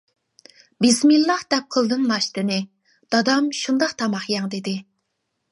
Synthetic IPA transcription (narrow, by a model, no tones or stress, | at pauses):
bɪsmilˠːɑhd̪̥ɛp̚qʰəlˠd̪ɨnlɑʃt̪ɨnɨ | d̪̥ɑd̪ɑmʃund̪ɑqt̪ʰɑmɑχjɑŋd̪ed̪ɪ